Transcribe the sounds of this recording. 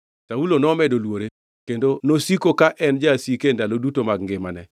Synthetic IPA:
taulonɔːmɛdolwoɾe | kendonosikokaʔɛnd͡ʒasikendalodutomaɡŋɡɪmanɛ

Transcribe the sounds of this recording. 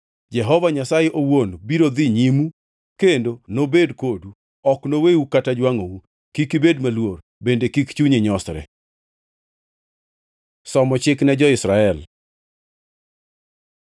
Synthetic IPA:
d͡ʒɛɦɔvaɲasajeʔowonbiɾod̪iɲimu | kendonobedkodu | ɔknoweukatad͡ʒwaŋowu | kikibedmalwoɾ | bendekikt͡ʃuɲiɲɔstɾɛ̰ | sɔmɔt͡ʃɪknɛd͡ʒɔɪsɾaɛl

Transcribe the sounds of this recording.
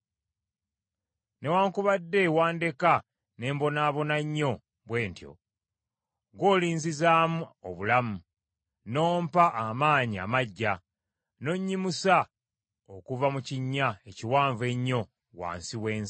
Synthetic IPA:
ne̞waːŋkuβadːe̞waːnde̞ka | ne̞ːmbo̞naːβo̞naɲːo̞ | βwe̞ːntjo̞̰ | ɡo̞ːliːnzizaːmuoβulamu | no̞ːmpaʔːmaːɲia̰maɟːa | no̞ɲːimusa | okuvamuciɲːaeciwaːɱve̞ɲːo̞ | wa̰ːnsiweːn

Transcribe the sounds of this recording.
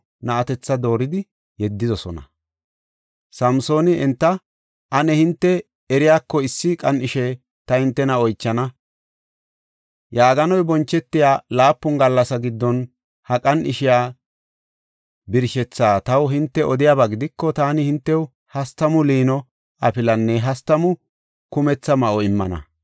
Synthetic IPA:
nɐɐt̪ɛt͡sːɐd̪o̞ːɾɪd̪ɪ | jɛd̪ːɪzɔsɔ̰nɐ̰ | sɐmso̞ːnɪɛnt̪ːɐ | ʔɐnɛhɪnt̪ːɛ | ɛɾɪjaːkːɔɪsːɪkʼɐnɪʃɛ | t̪ɐhɪnt̪ːɛnɐɔjt͡ʃːɐnɐ | jaːɡɐnɔjbɔnt͡ʃːɛt̪ːɪjaːlaːpːʊŋɡɐlːɐsɐɡɪd̪ːɔn | hɐkʼɐnɪʃɪjaː | bɪɾʃɛt͡sːaːt̪ɐwɦɪnt̪ːɛʔɔd̪ɪjaːbɐɡɪd̪ɪkːɔt̪aːnɪhɪnt̪ːɛw | hɐst̪ɐmʊliːnɔ | ɐpɪlɐnːɛɦɐst̪ɐmʊ | kʊmɛt͡sːɐmɐʔɔɪmːɐ̰nɐ̰

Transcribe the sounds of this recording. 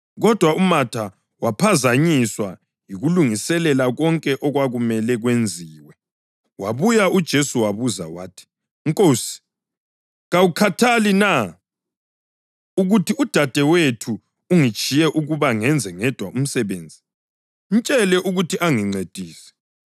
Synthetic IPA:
ɣɔd̥ʱwaʔumatʰa | wapʰazaɲiswa | jiɣuluŋisɛlɛlaɣɔŋkʼɛʔɔɣwaɣumɛlɛɣwend͡zʱiːwɛ | waβujaʔud̥ʒ̥ʱesuwaβuza̰wa̰ːtʰi̥ | ŋkʼosi̥ | ɣawukʰatʰalina | uɣutʰiud̥ʱad̥ʱɛwetʰuː | ŋit͡ʃʼijɛʔuɣuβaŋɛnd͡zʱɛŋɛd̥ʱwaum̩sɛβeːnd͡zʱi | n̩t͡ʃʼɛlɛʔuɣutʰiʔaŋiŋ͡ǀed̥ʱiːsɛ̥

